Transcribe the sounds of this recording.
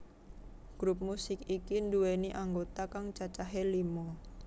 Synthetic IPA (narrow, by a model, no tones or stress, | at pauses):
ɡ̥ɾup̚musɪkikinduweniʔaŋɡot̪akaŋt͡ʃat͡ʃaɦelimɔ